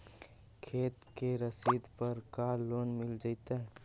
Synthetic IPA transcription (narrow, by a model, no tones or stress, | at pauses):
kʰeːt̪keɾəsid̪ʱpəɾkaloːnmɪld͡ʒaɪt̪aɦ